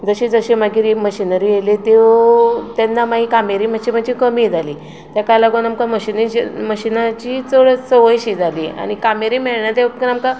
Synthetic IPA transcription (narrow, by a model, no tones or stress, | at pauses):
d͡zəɕid͡zəɕemaɡiːɾiməɕinəɾijelet̪e | t̪ɛnːamaɦikameɾim̤əɕim̤əd͡ʑikəmid͡zali | t̪jakalaɡonamkaməɕinməɕinat͡ɕit͡soɭt͡səʋəjɕid͡zalia̰ɽ̃ikameɾimeɭɳat̪eknamka